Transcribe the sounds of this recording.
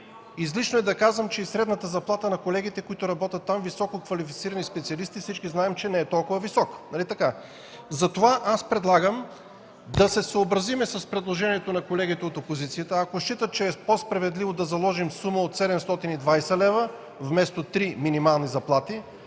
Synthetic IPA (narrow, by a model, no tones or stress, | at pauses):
izlit͡ʃnoɛd̪ɐkazvəmt͡ʃɛisɾɛd̪nət̪əzɐplˠat̪ənɐkolɛɡ̟it̪ɛkoit̪ʊɾɐbɔt̪ʲət̪ːamvisɔkokvɐlifit̪siɾənispɛt̪siɐlist̪ifsit͡ʃkiznaɛmt͡ʃɛnɛɛt̪ɔlˠkʊvəvisɔknɐlit̪ɐka | zɐt̪ovaʔaspɾɛd̪lˠaɡəm | d̪ɐsɛsəːbɾɐzimɛsəspɾɛd̪lˠoʒɛniɛt̪onɐkolɛɡit̪ɛot̪opozit̪sijət̪əɐkoʃt͡ʃit̪ət̪̚t͡ʃɛːpospɾɐvɛd̪livod̪ɐzɐlˠɔʒimsuməot̪sɛd̪ɛmst̪ɔt̪inid̪vajsɛlɛvə | vmɛst̪ot̪ɾiminimalˠnizɐplˠat̪i